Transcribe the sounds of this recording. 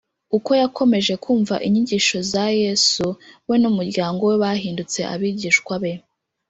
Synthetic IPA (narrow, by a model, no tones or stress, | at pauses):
uko̞jakʰo̞me̞ʒe̞kʰuːɱva̰ʔiɲiɟiːʃo̞zajesuwe̞numuɾɟaːŋɡo̞we̞βahiːndut͡se̞̰ʔa̰βiːɟiːʃkwaβe̞